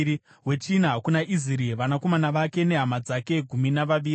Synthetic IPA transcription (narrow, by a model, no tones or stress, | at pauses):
i | ɦwe̞t͡ʃinaakunaʔiziɾiʋanako̞manaʋake̞ne̞ɦamad͡zake̞ɡʱuminaʋaʋiːri